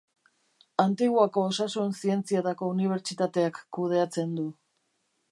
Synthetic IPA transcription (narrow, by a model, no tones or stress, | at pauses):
ant̪iɣwako̞ːsasunsie̞nt͡siat̪ako̞uniβ̞e̞ɾt͡sit̪at̪e̞akːuð̞e̞at͡se̞nd̪u